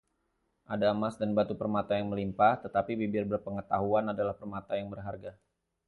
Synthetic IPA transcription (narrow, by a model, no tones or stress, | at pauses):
ʔadamasdanbat̪upərmat̪ajaŋməlimpaht̪ət̪apibibɪrbərpəŋət̪aɦuanadalahpərmat̪ajaŋbərɦarɡa